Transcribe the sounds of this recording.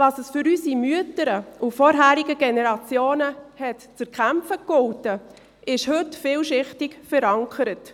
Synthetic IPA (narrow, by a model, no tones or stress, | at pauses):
vɑːsəsfʏɾysimyətəɾəufɔːɾɦæːɾiɡəɡɛnɛɾɑt͡sjoːnəhɛtt͡səɾkʰæmfəkɔwtə | ɪʃhɵtfɪːlʃɪχtɪkfəɾɑŋkʰəɾət